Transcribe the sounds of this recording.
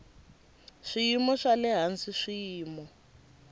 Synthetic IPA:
ʂijimɔʂalɛɦansiʂiːmɔ

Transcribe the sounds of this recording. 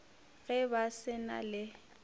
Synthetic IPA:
ɣɛbasɪna̰lɪ

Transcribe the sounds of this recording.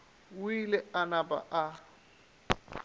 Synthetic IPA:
ilɛanaba̰ʔa

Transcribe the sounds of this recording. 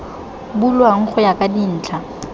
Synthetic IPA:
bulwaŋ̩k͡xʰʊjakʼadin̩ːt͡ɬʰa

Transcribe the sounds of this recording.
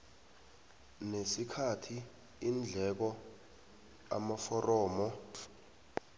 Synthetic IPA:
nesikʰatʰi | ind͡ɮʱɛk̬ɔ | a̰mafɔrʔɔːmɔ

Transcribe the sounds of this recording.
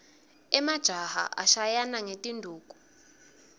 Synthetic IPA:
ɛmad̥ʒ̥ʱaha̰ʔa̰ʃajanaŋetʼindʱuːkʼu̥

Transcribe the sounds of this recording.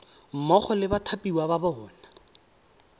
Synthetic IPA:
m̩mɔχɔlɪbatʰapʼiwababɔɦɔːna

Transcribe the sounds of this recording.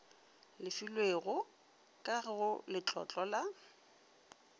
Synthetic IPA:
lɪfilweɣʊ | kʼaɣɪɣʊlɪt͡ɬʼɔ̰t͡ɬʼɔla

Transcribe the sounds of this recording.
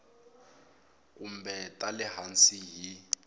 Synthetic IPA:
k̬um̩bɛtʼalɪɦant͡siji

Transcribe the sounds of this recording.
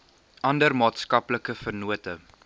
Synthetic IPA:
ɐndərmɑːtskɐpləkəfərnuətə

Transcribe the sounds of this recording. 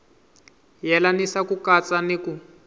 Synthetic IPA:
jɛlanisakukat͡saneku

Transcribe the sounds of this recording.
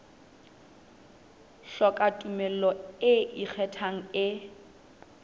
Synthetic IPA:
ɬɔkʼatʼumɛl̩lɔɪʔik͡xʰɛtʰaŋ̩ɪ

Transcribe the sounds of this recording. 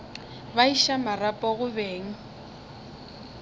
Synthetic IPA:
baiʃamarapʼɔɣʊβeːŋ̩

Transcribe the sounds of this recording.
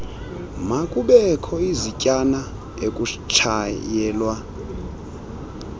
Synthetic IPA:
makʼuɓɛkʰɔizicʼana | ekʼut͡ʃʰajɛːlwa

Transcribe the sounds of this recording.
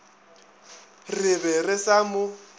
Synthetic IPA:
rɪbɛrɪsamʊ

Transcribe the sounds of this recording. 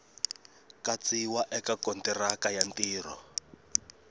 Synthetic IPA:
kat͡siwaʔɛkakɔntɛrakajantiːrɔ

